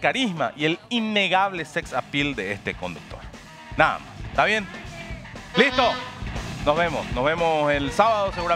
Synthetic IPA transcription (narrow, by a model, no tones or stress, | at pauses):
kaɾisma̰ʔielinːeɣaβleseksapild̪eest̪ekond̪uk̚t̪o̰ɾ | naða̰mast̪aβjen | list̪o | nozβemosnozβemoselsaβaðoseɣuɾa